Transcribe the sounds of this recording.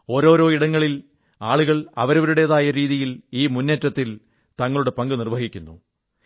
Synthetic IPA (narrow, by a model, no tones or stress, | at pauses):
o̞ːɾo̞ːɾo̞ːiɽɐŋːɐɭil | aːɭuɣɐɭɐ̰ʋɐɾɐʋɐɾuɽe̞ðaːjɐɾiːðijiliːmunːetːɐt̪ːil | t̪ɐŋːɐɭuɽe̞pɐŋɡɨnirʋɐɦikʲːunːṵ